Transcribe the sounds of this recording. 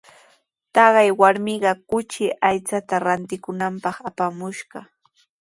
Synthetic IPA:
t̪ɑɢɑjwaɾmɪɢɑkʊt͡ʃɪʔajt͡sat̪aɾant̪ɪkʊnampɑχapamʊʃɢɑ

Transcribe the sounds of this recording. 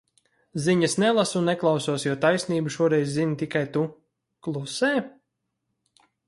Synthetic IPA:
ziɲasnɛlˠasunːɛklˠawsuɔsjuɔt̪ajsniːbuʃuɔɾɛjzzint̪ikajt̪u | klˠusɛː

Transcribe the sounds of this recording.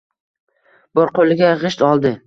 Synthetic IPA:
b̥ɒɾqʰolɪɡʲaʁɨʃt̪ɒlˠd̪ɪ

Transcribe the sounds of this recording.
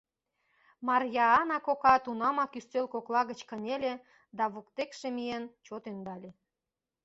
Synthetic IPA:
mɑrjɑɑnɑkokɑt̪unɑmɑkyst̪ølkoklɑɣət͡ɕkənʲelʲe | d̪ɑβukt̪ekʃĕmient͡ɕot̪end̪ɑlʲe

